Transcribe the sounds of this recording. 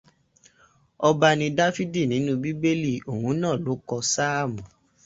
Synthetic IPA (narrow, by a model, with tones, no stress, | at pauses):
ɔ˧ba˧nĩ˧da˦fi˦di˦˨nĩ˨˦nũ˦bi˦be˦li˦˨o˨hũ˨˦nãː˦˨lo˨˦kɔ˧sa˦a˦˨mũ˨